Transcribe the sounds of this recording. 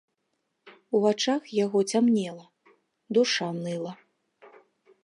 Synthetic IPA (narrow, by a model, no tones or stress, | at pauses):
uvat͡ʂaxjaɣɔt͡sʲamnʲɛlˠɐ | d̪uʂanɨlˠɐ